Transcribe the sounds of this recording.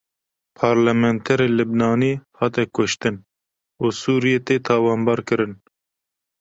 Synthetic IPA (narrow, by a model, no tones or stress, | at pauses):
pʰɑːɾlɛmɛnt̪ʰɛɾeːlɨbnɑːniːhɑːt̪ɛkʊʃt̪ɨn | uːsuːɾijeːt̪eːt̪ʰɑːwɑːnbɑːɾkɨɾɨn